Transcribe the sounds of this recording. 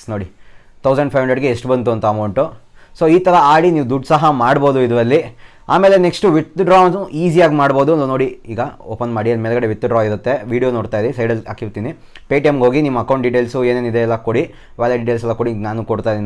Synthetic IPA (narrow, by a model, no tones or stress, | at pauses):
noːɽi | t̪ʰɐwsɐɳɖpʰɐjʋɦɐɳɖɾɐɖɡeesʈbɐnt̪̬uɐnt̪ɐɐmɐwɳʈu | so̞ːiːt̪ɐɾɐaːɽiniːʋud̪uɖːsɐɦɐmaːɽbo̞ːd̪uid̪ʋɐlːi | a̰ːme̞ːle̞neksʈuʋit̪ːɖɾaːniːsijaːɡmaːɽbo̞ːd̪uɐnd̪uno̞ːɽiiːɡɐoːpɐnmaːɽiɐlːimeɛːlɡɐɽeʋit̪ːuɖɾaːiɾut̪ːe̞ʋiːɽijoːnoːɽt̪aːjd̪esɐjɖɐlsa̰ːkiɾt̪iːni | peːʈijemɡoːɡinimːɐkɐw̃ɳʈ̚ɖiʈeːlsueːnenid̪eɛlːɐkoɽi | ʋaːleɖiʈelsɛlːɐkoɽinaːnukoɽt̪aːjid̪in